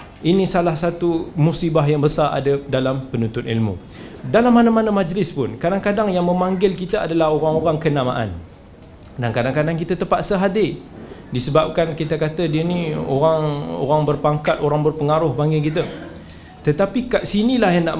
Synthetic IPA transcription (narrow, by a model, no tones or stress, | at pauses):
inĩsalahsat̪umusibaɦjaŋbəsaa̰dədalampənũnt̪ʊt̪ḭlmṵ̃ | dalamːanamanamad͡ʒlɪspʊnkadaŋkadaŋjaŋmə̃maŋɡɪlkit̪aadalahoɾaŋoɾaŋkənama̰ʔa̰n | dankadaŋkadaŋk̬it̪at̪əpat̪səɦadɪdisəbap̚kankit̪akat̪ədiənio̰ɾaŋo̰ɾaŋbərpaŋkat̪oɾaŋbərpəŋaɾʊhbaŋɡɪlkit̪̬ə | t̪ət̪apikaʔsinilahjaŋna̰ʔ